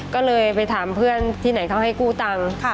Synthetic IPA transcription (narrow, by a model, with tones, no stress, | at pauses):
kɔː˥˩lɤː˧jpa˧jt̪ʰaː˨˩˦mpʰɯ˥˩ənt̪ʰiː˥˩na˩˦jkʰa˧˥˩wɦa˥˩jkuː˥˩t̪a˧ŋʰ˩